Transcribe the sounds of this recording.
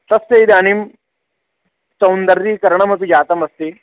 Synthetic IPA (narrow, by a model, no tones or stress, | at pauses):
sɐst̪ɐid̪aːnim | sɐwnd̪ɐɾːiːkɐɾɐɳɐmɐt̪ud͡ʒaːt̪ɐmɐst̪i